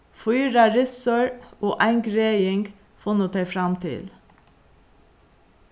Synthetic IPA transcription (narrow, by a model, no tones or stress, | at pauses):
fɔʏɾɑɾɪsɔɹoːʔæɪŋɡɾeɪɪŋɡ | foːnuːt̪ʰɑɪfɾɑmt̪ʰɪ̰l